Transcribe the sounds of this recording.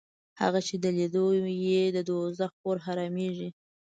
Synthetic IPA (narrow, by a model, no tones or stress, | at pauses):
ha̰ɣat͡ʃed̪əled̪ojed̪əd̪ozaxpoɾxaɾɑmeʐi